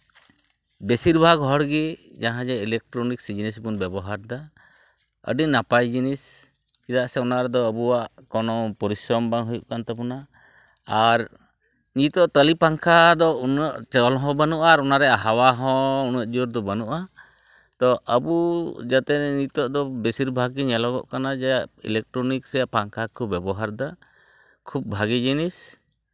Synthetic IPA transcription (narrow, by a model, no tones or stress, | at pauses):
besiɾbʱaɡɦɔɽɡi | d͡ʒaɦãd͡ʒɛilɛk̚ʈɾɔniksid͡ʒinis̬bunbɛbɔɦaɾd̪a | ə̰ɖinapajd͡ʒinis | kid̪aʔsɛɔnaʔɾɛd̪ɔəbuwaʔkɔnɔpɔɾisɾɔmbaŋɦujuʔkant̪ɛpɔna | aɾ | nit̪ɔʔt̪əlipaŋkʰad̪ɔunəʔt͡ʃɔlɦɔ̃banuʔaɾɔnaɾɛaɦawaɦɔ̃unəʔ̚d͡ʒɔɾd̪ɔbanuʔa | t̪ɔʔəbud͡ʒat̪ɛɲit̪ɔʔd̪ɔbesiɾbʱaɡiɲɛlɔɡɔ̰ʔkanad͡ʒajaʔḭlɛk̚ʈɾɔnikɾɛjaʔpaŋkʰakʰubɛbɔɦaɾd̪a | kʰub̚bʱaɡid͡ʒinis